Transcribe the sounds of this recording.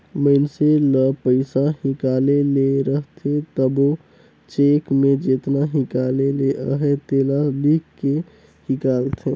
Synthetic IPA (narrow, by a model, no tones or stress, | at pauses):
məɪnseləpəɪsahikaleleɾəɦt̪ʰet̪əbo | t͡ʃekmed͡ʒet̪naɦikaleleʔəɦet̪elalikkːe | hikalt̪ʰe